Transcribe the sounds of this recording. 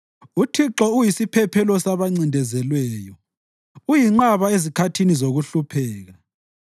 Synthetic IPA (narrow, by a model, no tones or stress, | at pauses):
utʰiǁɔujisipʰɛpʰɛlɔsaβaŋ͡ǀindʱɛzɛlwɛːjɔ | ujiŋ͡ǃaβaezikʰatʰinizoɣuɬupʰɛːɣa